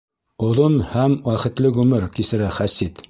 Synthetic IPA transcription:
ŏðonhæmwæχɘ̆t̪lɘɣʉmɘɾkisɘ̆ɾæχæsit̪

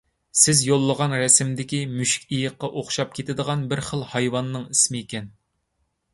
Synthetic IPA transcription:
sɪzjolˠːəʁɑnɾɛsɪmd̪ɪkʲimyʃi̥kʲijəqːɑʔoχʃɑp̚kʲʰet̪ɪd̪əʁɑnbɪɾχəlˠhɑjwɑnːɨŋismɪekʲɛn

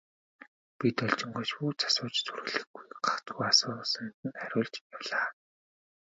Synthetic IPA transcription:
pit̪œɮt͡ɕɪ̆ŋɡoːt͡ɕpuːt͡sʰḁsʊːt͡ɕt͡sʰurɣɘ̆ɮɘ̆ɡujɢḁχt͡s̪ɡuːasʊːsə̆nt̪ɘ̆næɾʲʊːɮt͡ɕjawɮaː

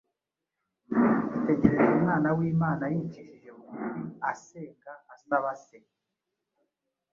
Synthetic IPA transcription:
ute̞ɟe̞ɾe̞zumŋaːnawiːmaːnajiciʃiʒemuuiaseːŋɡaasnaβase

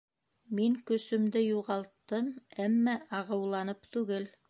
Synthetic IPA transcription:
miŋkɵ̆sɵ̆md̪ɘjuʁɑlˠt̪ːɤmæmːæʔɑʁɤ̆wlˠɑnɤpt̪ʉɡɘl

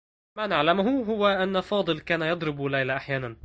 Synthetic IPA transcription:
maːnaʕlamʊɦʊɦʊwaʔanːafɑːd̪ˤɨlkaːnajɑd̪ˤɾɪbulajlaʔaħjaːnan

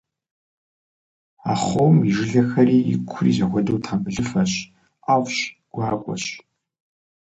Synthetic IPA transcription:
a̰ːχoːmiʒɪɮɐxɐriːɪ̰kʷʰʊrḭːzɐxʷɔdowtʰaːmbɨɮɨfɐɕ | aːwɕɡ̥ʷɑːkʷʼɔ̰ɕ

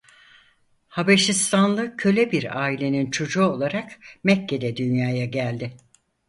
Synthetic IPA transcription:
habaʃist̪ʰanlˠɯcʰø̞lʲɛbiɾaːilʲe̞nint͡ʃʰo̞d͡ʒuːo̞lˠaɾakmɛcʰːe̞d̪ɛd̪ynjaːjaɟælʲd̪ɪ

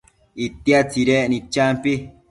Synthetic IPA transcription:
it̪iat͡siɾeʔnĩt͡ʃampi

